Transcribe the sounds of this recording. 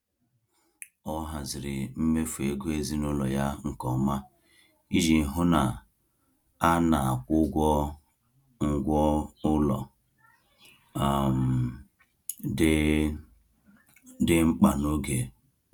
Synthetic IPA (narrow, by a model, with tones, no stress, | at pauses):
ɔ˦ɦa˨zɪ˨ɾɪ˨m̩˦me˦fu˨e˨ɡʷe˦zi˦nʊ˦lɔ˨ja˦ŋ̩˨kɔ˨ma˦ | i˦d͡ʒi˨ɦʊ˦na˨ | a˦na˨a˨kʷʊ˦ɡʷɔ˦ | ŋ̩˨ɡʷɔ˦ʊ˦lɔ̰˨ | a˨m̩˨ | d | dɪ˦ŋ͡m̩˦k͡pa˨no˦ɡe˨